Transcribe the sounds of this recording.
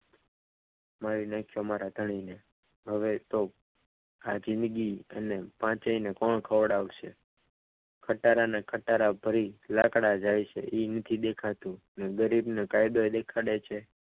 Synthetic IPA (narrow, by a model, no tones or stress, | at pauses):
maɾinəkʰːjomaɾad̪ʱəɳ̃ine | ɦəʋet̪o | a̰d͡ʒɪ̃nd̪ɡiə̰nepãt͡ʃəinekɔɳkʰəʋəɽaʋʃe | kʰəʈaɾanakʰəʈaɾabʱəɾilakɽad͡ʒajt͡ʃʰḛʔinət̪ʰid̪ekʰat̪ũ | neɡəɾibnekajd̪oed̪ekʰaɽet͡ʃʰe